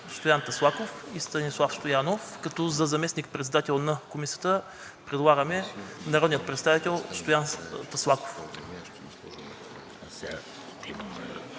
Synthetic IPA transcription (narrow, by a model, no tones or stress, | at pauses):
st̪ojant̪ɐslˠakofist̪ɐnislˠafst̪ojanofkɐt̪ɔzɐzɐmɛsnik̚pɾɛt̪sɛd̪at̪ɛlˠnɐkomisijət̪ə | pɾɛd̪lˠaɡəmɛnɐɾɔd̪nijət̪̚pɾɛt̪st̪avit̪ɛlˠst̪ojant̪ɐslˠako̥f